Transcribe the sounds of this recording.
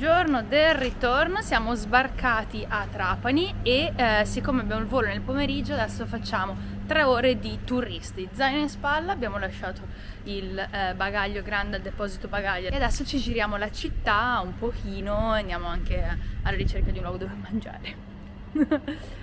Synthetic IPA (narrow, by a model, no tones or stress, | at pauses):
d͡ʒornod̪elrit̪ornosjaːmozbarkaːt̪iʔat̪ːɾaːpaniesikːomeabjaːmoilvoːlonelpomeɾid͡ʒːoad̪ɛsːofat͡ʃːaːmo | t̪ɾeoːɾed̪it̪urist̪id̪zajnispalːaːbːjaːmolaʃːaːt̪ʰo | ilbaɡaʎːoɡɾand̪eald̪epɔːzit̪obaɡaʎːaead̪ɛsːot͡ʃid͡ʒiɾjaːmolat͡ʃit̪ːaumpok̟iːnoand̪jaːmoaŋkealːaɾit͡ʃerkad̪iunlwɔɡod̪oːvemand͡ʒa̰ːɾe